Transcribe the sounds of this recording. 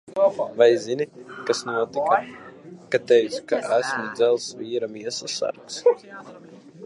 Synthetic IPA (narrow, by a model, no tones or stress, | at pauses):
vajzinikasnuɔt̪ikakat̪ɛjskaʔæsmud̪zælˠsviːɾamiɛsasa̰ɾks